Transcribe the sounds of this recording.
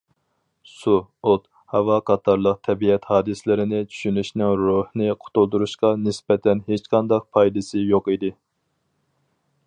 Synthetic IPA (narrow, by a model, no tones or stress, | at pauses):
suot̪ | hɑvɑqʰɑt̪ʰɑɾlˠəq̚t̪ʰɛbiɛt̪hɑːd̪ɨsɪlɪɾɪnɪt͡ʃʰy̥ʃynyʃnɪŋɾohnɨqʰo̥t̪ulˠd̪uɾuʃqɑnɪsbɛt̪ʰɛnɦet͡ʃqʰɑnd̪ɑq̚pʰɑjd̪ɨsɨjoqid̪ɪ